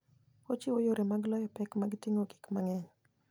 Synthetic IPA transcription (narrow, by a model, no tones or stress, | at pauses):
ot͡ʃɪwojoɾemaɡlɔjɔpɛkmaɡɪtɪŋoɡi̥kmaŋɛɲ